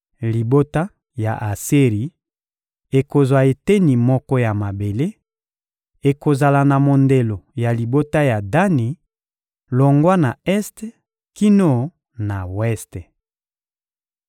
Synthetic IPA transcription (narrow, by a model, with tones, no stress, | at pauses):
li˨bo˦ta˦ | ja̰˨ʔa˨se˦ʁi˨ | e˨ko˨zwa˨e˨te˦ni˨mɔ˦kɔ˦ja˨ma˨be˨le˦ | e˨ko˨za˨la˨na˨mo˨nde˨lo˨ja˨li˨bo˦ta˦ja˨da˦ni˨ | lo˨ŋɡwa˦na˨ɛ˦st | ki˦no˦ | na˨wɛ˦st